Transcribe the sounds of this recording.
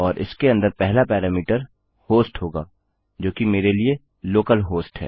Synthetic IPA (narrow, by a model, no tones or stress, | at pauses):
ɔːɾʔɪ̰skeɐ̃nd̪əɾpɛɦlapɛːɾaːmiːʈəɾ | hoːsʈɦoːɡaː | d͡ʒoːkimeːɾelie | loːkəlɦoːsʈɦɛ̰ː